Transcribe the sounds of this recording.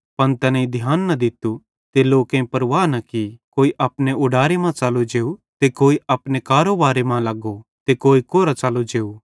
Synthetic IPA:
pɐnt̪ɛnãĩd̪ʱjaːnːɐd̪ɪt̪u | t̪eloːkẽĩpɐɾʋaːnɐkikoːiʔɐpneʊɖaːɾemãt͡ʃaːlud͡ʒeːut̪ekoːiɐpnekaːɾoʋaːɾemãlɐɡot̪ekoːikoːɾat͡ʃaːlod͡ʒeːu

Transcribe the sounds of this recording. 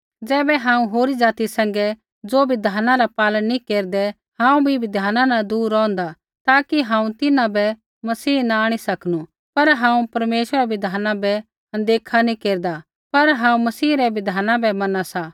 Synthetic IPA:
d͡zɛːbɛɦãːũɦoːɾid͡zaːt̪isɛ̃ŋɡɛ | d͡zoːbɪd̪ʱaːnãɾapaːlənːikeːɾd̪ɛ | ɦãːũbʱibɪd̪ʱaːnãnad̪uːɾːɔ̃ːnd̪a | t̪aːkiɦãːũt̪ɪnãbɛ | mɐsiːnaaːɽ̃isɐkʰnu | pɐɾɦãːũpɐɾmeːʃʋəɾɛbɪd̪ʱaːnãbɛ | ɐ̃nd̪eːkʰanĩkeːɾd̪a | pɐɾɦãːũmɐsiːɾɛʋɪd̪ʱaːnãbɛmɐnasa

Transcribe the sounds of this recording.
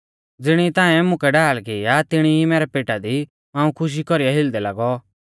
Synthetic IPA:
d͡zɪɽ̃it̪ãːɛmʊ̃kɛɖaːlkɪjat̪ɪɽ̃iimɛːɾɛpeːʈad̪i | ãːũkʰʊʃ̬ikɔɾijaɦɪld̪ɛlaɡɔ

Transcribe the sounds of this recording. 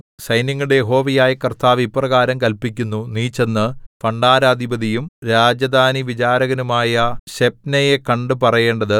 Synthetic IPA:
sɐjniŋːuɽe̞jeɦo̞ːʋijaːjɐkɐrt̪aːʋiprɐɣaːɾɐmkɐlpikʲːunːuniːt͡ɕːenːɨfɐɳɖaːɾaːd̪ʱibɐðijumɾaːd͡ʑɐd̪aːniʋit͡ɕaːɾɐɣɐnumaːjɐɕep̚nejekɐɳɖɨpɐrɐje̞ːɳɖɐðɨ

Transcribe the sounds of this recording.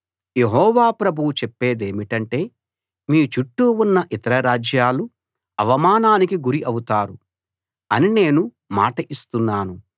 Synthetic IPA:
je̞ɦɔːʋaːpɾɐbʱuwut͡ʃepːe̞ːd̪e̞ːmiʈɐɳʈe̞ː | miːut͡ʃuʈːuunːɐʔit̪ɐɾɐɾaːd͡ʒjaːlu | ɐʋɐmaːnaːnikiɡuɾiʔɐwut̪aːɾu | ɐnine̞ːnu | ma̰ːʈɐʔist̪unːaːnu

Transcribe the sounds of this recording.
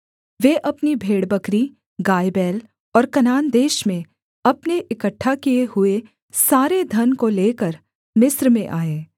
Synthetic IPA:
ʋeʔɐpnibʱeːɽbɐkɾi | ɡaːjbɛːl | ɔːɾkɐnaːnd̪eːʃmẽ | ɐpneʔɪkəʈʰːakijeɦʊe | saːɾed̪ʱɐnkoleːkəɾ | mɪsɾmẽʔaːeː

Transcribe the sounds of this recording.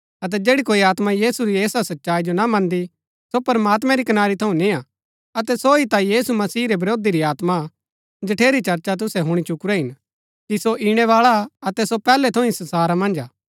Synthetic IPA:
ɐt̪̬ɛd͡ʒeːɽikoːiaːt̪majiːsuɾieːsasɐtːʃaːid͡ʒonamɐ̃nd̪i | sopɐɾmaːt̪̬mɛ̃ɾikɐnaːɾit̪ʰɐũnĩa | ɐt̪ɛsoit̪ãjiːsumɐsiːɾebɐɾoːd̪iɾiaːt̪ma | d͡ʒɐʈʰeːɾit͡ʃɐɾt͡ʃat̪̬ʊsɛɦʊɽ̃it͡ʃʊkɾɛɦɪn | kisoʔiɽ̃ɛʋaːɭaɐt̪ɛsopɛːlɛt̪ʰɐ̃ʊ̃ĩsɐnsaːɾamɐ̃nd͡ʒaː

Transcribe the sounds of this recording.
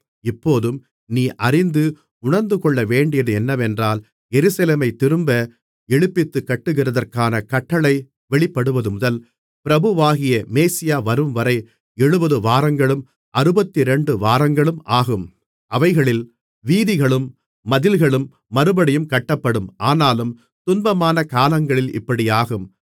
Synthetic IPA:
ɪpːoːðɯm | niːʔɐrɪnd̪ɯ | ʊɳɐɾnd̪ɯkɔɭːɐʋeːɳɖɪjɐðɯɛnːɐʋɛndraːl | jɛɾɯsɐleːmɐɪt̪ːɪɾɯmbɐ | ɛɻɯpːɪt̪ːɯkːɐʈːɯɣɪrɐðɐrkaːnɐkɐʈːɐɭɐɪ | ʋɛɭɪpːɐɽɯʋɐðɯmʊðɐl | pɪɾɐbɯʋaːɣɪjɐmeːsɪjaːʋɐɾɯmʋɐɾɐɪ | ɛɻɯbɐðɯʋaːɾɐŋɡɐɭɯm | ʔɐɾɯbɐt̪ːiɾɛɳɖɯʋaːɾɐŋɡɐɭɯmaːɣɯm | ʔɐʋɐɪɣɐɭɪl | ʋiːðɪɣɐɭɯmː | ɐðɪlɣɐɭɯmː | ɐɾɯbɐɽɪjɯmkɐʈːɐpːɐɽɯmʔaːnaːlɯm | t̪ʊnbɐmaːnɐkaːlɐŋɡɐɭɪlɪ̰pːɐɽɪjaːɣɯm

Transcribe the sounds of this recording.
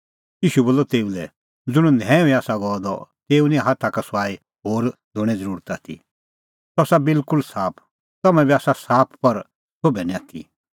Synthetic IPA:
jiːʃuboːlːɔt̪eːulɛ | d͡zʊɽ̃ũnɛ̃ːĩaːsaɡɔːd̪ɔ̰t̪eːunĩɦat̪ʰakasaːi | ɦoːɾd̪ʱʊɽ̃ɛd͡zəɾuːɾət̪at̪ʰḭ | t̪ɔsabɪlkʊlsaːpʰ | t̪ɐmɛ̃biaːsasaːpʰpɐɾ | sʰoːbɛnĩak̪ʰḭ

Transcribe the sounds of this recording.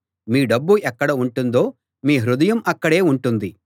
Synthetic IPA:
miːɖɐbːuʔɛkːɐɽɐuɳʈund̪o̞ː | miːɦɾud̪ɐjɐmɐkːɐɽe̞ːuɳʈund̪i

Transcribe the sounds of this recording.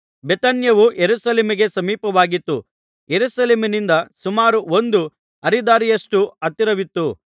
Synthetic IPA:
bet̪ɐnjɐʋujeɾusɐleːmiɡe̞sɐmiːpɐʋaːɡit̪ːu | jeɾusɐleːmɐnind̪ɐsumaːɾuo̞nd̪u | ɐɾid̪aːɾijɐʂʈuɐt̪ːiɾɐʋit̪ːu

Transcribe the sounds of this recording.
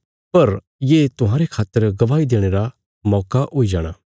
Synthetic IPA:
pɐɾ | jeːt̪ʊɦaːɾekʰaːt̪ːəɾɡɐʋaːid̪eːɽ̃eːɾa | mɔːkaʔoid͡ʒaːɽ̃aː

